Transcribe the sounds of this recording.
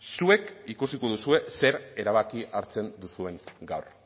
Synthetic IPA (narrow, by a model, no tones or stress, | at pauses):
sue̞kikusiko̞ðusue̞se̞ɾe̞ɾaβakiʔaɾt͡se̞nd̪usue̞ŋɡawr